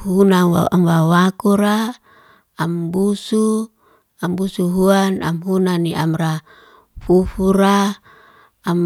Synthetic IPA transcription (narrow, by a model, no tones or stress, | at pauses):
hunawaamwawakuɾaː | mbusu | ambusuɦuana̰mɦunaniamra | fufuɾa | am